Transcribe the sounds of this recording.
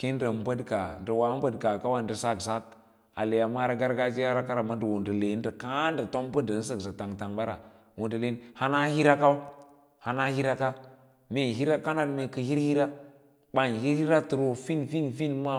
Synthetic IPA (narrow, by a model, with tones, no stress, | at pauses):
ki˦n˦da˨m˦ba˦dka˨ndə˨wa˨˦m˦ba˦dka˨ka˦wa˦ndə˨sa˦˨ksa˦t̚ | a̰˨le˨ja˨ma˦ɾa˦ɡa˦ɾɡa˦d͡ʒi˦ja˦ɾa˦ka˦ɾa˨ma˦də˨wu˨ndə˨le˨˦n˦da˨ka˦nda˨to˦m˦bə˦da˨n˦s̬ə˦˨ksa˨ta˨ŋta˨ŋba˦ɾa̰˨ | wo˨ndə˨le˦nha˦na˦hi˦ɾa˦ka˦ | ha˨na˦hi˦ɾa˦ka˦ | me˨ɦi˦ɾa˦ka˦na˦dme˨kə˨hi˦ɾhi˦ɾa˦ | ɓa˨nhi˦ɾhi˦ɾa˦tu˨ɾo˨fi˦nfi˦nfi˦nma˦